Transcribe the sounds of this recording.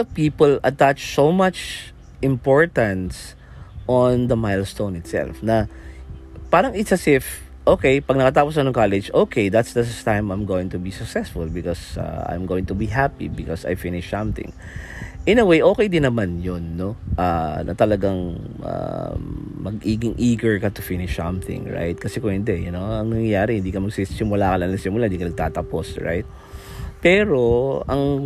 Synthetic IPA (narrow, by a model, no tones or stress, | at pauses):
ɐpiːpəlɐt̪at͡ʃsomat͡ʃ | ʔɪ̃mpoɹt̪ɐ̃ns | ʔɔnd̪ɐmajlst̪õw̃nɪt̪sɛ̰lfnɐ | paːɾɐŋɪt̪sɐsɪf | ʔoːkejpɐɡ̚nɐkɐt̪aːposɐnʊŋkalɛd͡ʒoːkejd̪ɐt̪sd̪ɐst̪ãjmãjmɡowɪ̃ŋt̪ʊbisɐksɛsfʊlbɪkɔsa̰ã̰jmɡoːwɪ̃ŋt̪ʊbiɦapḭbɪkɔsɐ̰a̰jfɪnɪʃsɐ̃mt̪ɪ̰̃ŋ | ʔɪnɐwejʔo̞ːkɛjd̪ɪnɐmanjonːoʔanʔɐt̪ɐlɐɡaŋʔa̰ | mɐɡ̚ʔiːɡɪŋʔiːɡɐɹkɐt̪ʊfɪnɪʃsɐ̃mθɪ̰̃ŋɹa̰jt̪̚kɐsɛkoŋhɪnd̪ɛjɐnoɐŋnɐŋjɐjaːɾɛhɪnd̪iːkɐmɐɡsisɪmʊlakɐlɐŋlɐŋsɪmʊlaɪnd̪iːkɐnɐɡ̚t̪aːt̪ɐposɹa̰jt̪̚ | pɛːɾo̞ʔɐŋ